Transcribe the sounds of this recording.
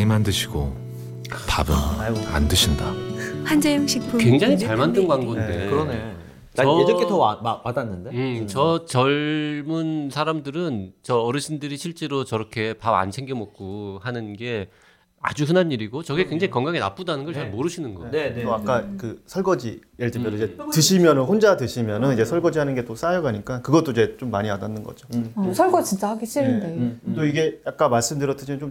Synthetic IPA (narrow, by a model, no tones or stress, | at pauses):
imandɯɕʰiɡo | pabɯna̰ndɯɕʰindahand͡ʑemɕʰipʰukwe̞ŋd͡ʑaŋit͡ɕaɭmandɯnɡwaŋɡonde̞kɯɾʌne | t͡ɕaʌed͡ʑʌk͈etʌamamadanːɯnde̞ɯt͡ɕʌt͡ɕʌɭmunsʰaɾamdɯɾɯnt͡ɕʌːɾɯɕʰindɯɾiɕʰiɭt͡ɕ͈e̞ɾot͡ɕʌɾʌkʰe̞paba̰nsʰe̞ŋɡemʌk̚k͈ohanɯnɡe̞ | a̰d͡ʑuɸɯnɦanːiɾiɡot͡ɕʌɡekwe̞ŋd͡ʑaŋikʌŋɡaŋena̰p͈udanɯnɡʌɭt͡ɕamoɾɯɕʰinɯnɡʌ̰neoakk͈akɯsʰʌɭɡʌd͡ʑḭjeɭt͈ɯmjʌnid͡ʑetɯɕʰimjʌnɯnɸond͡ʑadweɕʰimjʌnɯnid͡ʑe̞sʰʌɭɡʌd͡ʑiɦanɯnɡe̞t͈os͈ajʌɡaɲik͈akɯɡʌt͈oid͡ʑe̞t͡ɕ͈omːaɲiadanːɯnɡʌ̰d͡ʑosʰʌɭɡʌt͡ɕint͡ɕ͈ahaɡeɕ͈ʰiɾɯndetoiɡe̞jak͈amaɭs͈ɯmdɯɾʌtʰɯɕʰimjʌnt͡ɕom